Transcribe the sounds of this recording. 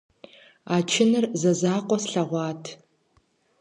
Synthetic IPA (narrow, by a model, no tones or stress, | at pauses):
aːt͡ʃʰɪnɨrzɐzaːqʷʼɔsɬɐʁʷɑːtʰ